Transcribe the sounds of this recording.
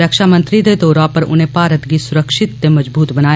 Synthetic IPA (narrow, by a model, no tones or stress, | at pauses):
əkʃaːmə̃nt̪ɾid̪ed̪ɔːɾãːpəɾʊ̰n̤ẽːpaːɾət̪ɡisʊɾəkʃɪt̪ːemɐd͡ʒbuːt̪bɐnaː